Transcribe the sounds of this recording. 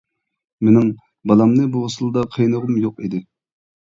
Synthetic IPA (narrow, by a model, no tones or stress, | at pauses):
menɪŋ | bɑlˠɑmnɨbuʁəsɨlˠd̪ɑqʰejnəʁʊmjoqid̪ɪ